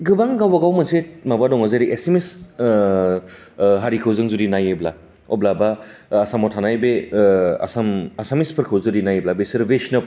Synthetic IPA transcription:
ɡɯbaŋɡawbaɡawmɯset̚mabadɔŋazaɾiʔesemes | ɦaɾikʰɯwzɯŋzudinajebla | ɔblabaːsamɔtʰanajbea̰samasamispʰɯɾkʰɯwzɯdinajeblabesɯɾbesnɯp̚

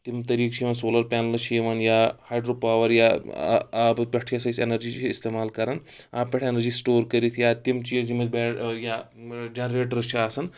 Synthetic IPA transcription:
t̪imt̪ɐɾiːkt͡ʃʰiʋɐnsoːlɐɾpʲanɐlt͡ʃʰiʋɐnjahaːjɖɾopaːʋɐɾja̰ | bpʲɐʈʰiɐsɐjsenɐɾd͡ʑiːt͡ʃiist̪eːmaːlkɐɾan | a̰ːpːʲɐʈʰenɐɾd͡ʒiːsʈoːɾkɐɾit̪ʰjat̪imt͡ʃid͡ʒimɐd͡zbɛja | d͡ʒenɾeːʈɾɐt͡ʃʰiasɐn

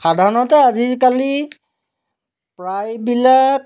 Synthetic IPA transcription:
xadʱaɹnɔtɛazikali | pɹajbilak̚

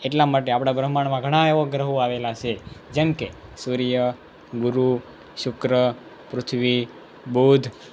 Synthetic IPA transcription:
eʈlamaʈ̬eapɽ̃abɾəɦmaɳ̃mãɡʱəɽ̃ãeʋoɡɾəɦoaʋelat͡ʃʰed͡ʒemkesuɾijə | ɡʊɾu | ʃʊkɾə | pɾʊt̪ʰʋi | bod̪ʱ

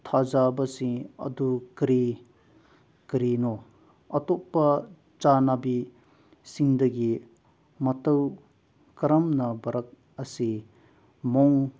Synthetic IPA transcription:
t̪ʰazabɐsiŋɐ̰dukɾi | kɾinɔ | ɐtɔppːɐ | t͡ʃanabi | siŋdɐɡi | mɐtɐw | kɾɐmnɐbɐɾɐk̚ | ɐsi | mɔŋ

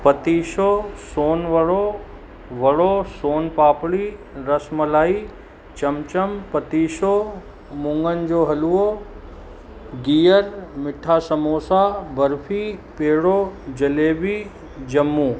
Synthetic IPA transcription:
pɐt̪iːʃosoːnʋɐɽo | ʋɐɽosoːnpaːpɽiː | ɾɐsmɐlaːi | t͡ɕɐmt͡ɕəmpɐt̪iːʃo | mʊ̃ŋɡənɪ̆d͡ʑoːɦɐluo | ɡiːjəɾmɪʈʰasɐmoːsabɐɾfʰipeːɽoːd͡ʑɐleːbiː | d͡ʑɐmːuː

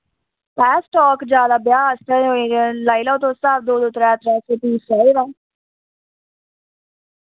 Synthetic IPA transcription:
pɛːsʈɔːkd͡ʒaːlaːbjaːst̪əoẽːəlaːilãːt̪õːsaːʋd̪oːd̪ʊt̪ɾɛːt̪ɾɛːsepiːsaɪːʋaː

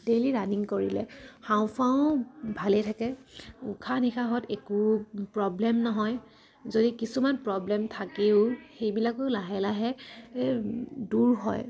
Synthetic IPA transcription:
deliɹaniŋkoɹilɛ̰haʊ̃pʰaʊ̃bʱalɛtʰakɛṵkʰanixʰaɦɔtekupɹɔblɛmnɔɦɔj | zodikisumanpɹɔblɛmtʰakeʊxejbilakʊlaɦɛlaɦɛ | duɹɦɔ̰j

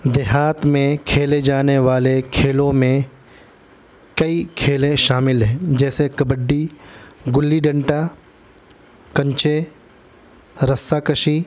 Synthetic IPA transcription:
d̪eɦaːt̪mẽkʰeːled͡ʒaːneʋaːlekʰeːlõmẽ | kɐikʰeːlẽʃaːmɪlɦẽːd͡ʒɛːsekɐbəɖːiɡʊlːiɖɐ̃ɳʈa | kɐ̃ɲt͡ʃe | ɾɐsakɐʃi

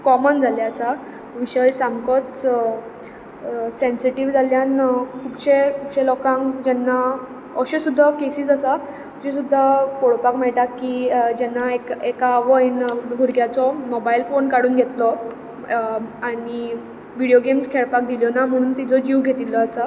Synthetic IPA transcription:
kɔmənd͡zʱaljaːsa | ʋiɕəjsamkɔ | sensiʈiʋd͡zaljankʰupɕekʰupɕelɔkãŋkd͡ʑɛnːa | əɕesud̪ʱːakesiːsasa | d͡ʑesud̪ʱːakoɽpakmɛɭʈakːid͡ʑɛnːaekekaːʋəinɡʱuɾɡjat͡sɔmɔbailfonkaɽuːnɡʱet̪lɔ | aɽ̃i | ʋiɽijoɡemskʰeɭpak̚d̪iljɔnam̤əɽ̃uːnt̪id͡zɔd͡ʑiʋɡʱet̪ilɔːsa

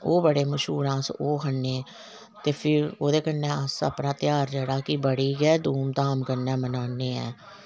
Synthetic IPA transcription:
oːbəɽeːməʃuːɾãːsoːɦənːeː | t̪eːpʰɪɾoːd̪eːkənːɛ̃ːəsə̰pnãːt̪ɪjaːɾd͡ʒəːɽaːkɪbəɽiːɡɛːd̪uːmt̪aːmkəɾnɛ̃ːmənaːneːɛ̰ː

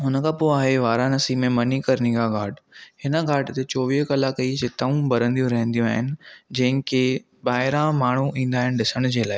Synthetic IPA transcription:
ɦʊnəkʰãːpoːaːɦeʋaːɾãnɐsimẽmɐnikɐɾniɡaɡʱaːʈhɪnəɡʱaːʈt̪et͡ɕoːʋiɦkɐlaːkɐid͡ʑɪt̪ɐʋũbɐɾə̃nd̪ijũɾɐɦə̃nd̪ijũaːɦɪnɪ̆d͡ʑɐ̃ɦɪ̃ke | baːɦɪɾãmaːɳ̤uʔĩːn̆d̪aːɦɪnɪ̆ɖɗɪsəɽ̃d͡ʑeːlaːɪ

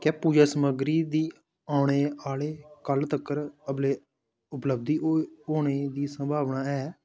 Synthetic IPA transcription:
kɛːpuːd͡ʒaːsəməɡɾiːd̪iː | aːɽ̃eːaːleːkəlt̪əkːəɾəbleː | ʊpləb̚d̪iːooːɳ̃eːd̪iːsəmbʱaːʋnaːɛː

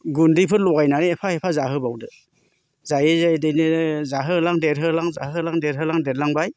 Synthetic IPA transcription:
ɡundipʰɯɾlɔɡajnaneepʰaepʰazaɦɯbawdɯ | zajezajdɯjnɯzaɦɯlaŋdeɾɦɯlaŋza̰ɦɯlaŋdeɾɦɯlaŋdedlaŋbaj

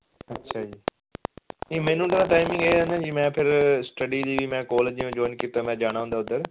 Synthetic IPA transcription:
ɐtːʃʰaːd͡ʒiː | ĩːmẽːnũːʈəɾãːʈaːɪmɪ̃ŋɡeːɦənd͡ʒiːmɛ̃ːpʰɪɾsʈəɖiliːʋimɛ̃ːkɔːləiẽd͡ʒoːɪnkit̪amɛ̃ːd͡ʒaːɽ̃ãɦũːnd̪aːʊd̪əɾ

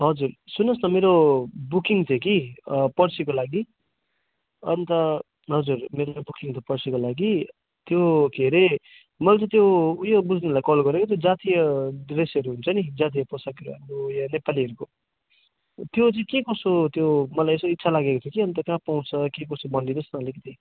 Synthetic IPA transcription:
ɦʌd͡zursunʌsnʌmeɾobukiŋt̪ʰokipʌrsikolaɡi | ʌ̰nt̪ʌ | ɦʌd͡zurmeɾobukiŋt̪ʰopʌrsikolaɡi | t̪jokʰeɾe | mʌlt͡sãt̪̬joujobud͡zʱnilajkʌlɡʌɾekot̪̬jod͡zat̪ijʌdresʌɾuɦunt͡sʰʌnid͡zat̪̬ijʌposakʌɾua̰mɾojʌnepaliɦʌɾuko | t̪jot͡saĩkekʌsot̪jomʌlajesitːsʰalaɡekot̪ʰjokiʌnt̪ʌkãpawnt͡sʰʌkekʌsobʌnɖinʌsnʌlekit̪ʰi

